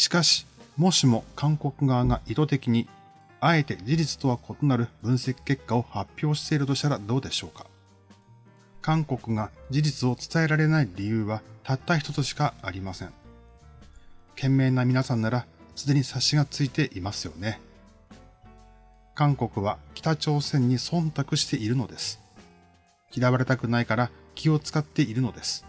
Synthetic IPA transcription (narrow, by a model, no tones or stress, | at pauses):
ɕi̥kaɕi̥mo̞ɕimo̞kʰãŋko̞kɯ̟ɡaːŋaʔit̪o̞t̪e̞kʲiɲ̟i | ae̞t̪e̞d͡ʑiʑit͡sɨ̥t̪o̞β̞ako̞t̪o̞naɾɯ̟bɯ̟̃ɰ̃se̞kʲi̥ke̞kːao̞hapʲːjo̞ːɕi̥t̪e̞iɾɯ̟t̪o̞ɕi̥t̪aɾad̪o̞ːd̪e̞ɕo̞ːkḁ | kãŋko̞kɯ̟ɡad͡ʑid͡ʑit͡sɨo̞t͡sɨ̥t̪ae̞ɾaɾe̞naiɾʲijɯ̟ːβat̪at̪ːaçi̥t̪o̞t͡sɨɕi̥kaaɾʲimasẽ̞ɴ | kẽ̞mːe̞ːnːamʲinasãnːaɾasɨd̪e̞ɲ̟isaɕiɡat͡sɨit̪e̞ʔimasɨjo̞̰ne̞ | kãŋko̞kɯ̟β̞akʲi̥t̪at͡ɕo̞ːsẽ̞ɲ̟ːisõ̞nt̪akɯ̟ɕi̥t̪e̞iɾɯ̟no̞d̪e̞sɨ̥ | kʲid̪aβaɾe̞t̪akɯ̟naikaɾakʲʰio̞t͡sɨ̥kat̪ːe̞iɾɯ̟no̞d̪e̞sɨ̥